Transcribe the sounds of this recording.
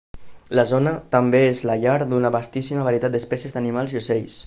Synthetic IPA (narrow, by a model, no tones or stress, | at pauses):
lazonət̪əmbeezlaʎaɾd̪unəβast̪isiməβaɾiət̪at̪d̪əspɛsjezd̪ənimalˠziuseʎs